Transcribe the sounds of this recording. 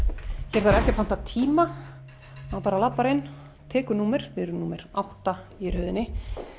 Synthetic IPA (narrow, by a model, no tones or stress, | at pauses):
çɛɾθaɾɛhcɪfan̥t̪at̪ʰiːma | awpaːɾalapːaɾɪn | t̪ʰɛːkʏɾnuːmɛɾ̥vɪɾʏnuːmɛɾawht̪aiɾhœɥðɪnːɪ